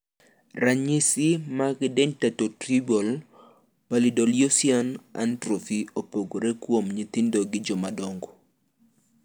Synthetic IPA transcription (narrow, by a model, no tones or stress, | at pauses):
ɾaɲɪsɪmaɡɪdɛŋtatotɾibol | palidoljosiɔna̰ntɾofiopoɡoɾekwomɲit̪indoɡɪd͡ʒɔmadɔŋɡo